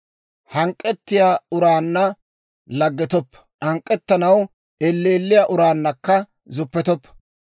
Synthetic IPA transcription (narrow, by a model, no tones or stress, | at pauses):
hɐŋkʼːɛt̪ːɪjaːʊɾaːnːɐ | lɐɡːɛt̪ɔpːɐ̥ʔɐŋkʼːɛt̪ːɐnɐw | ɛlːeːlːɪjaʔʊɾaːnːɐkːɐ | zʊpːɛt̪ɔpːɐ̥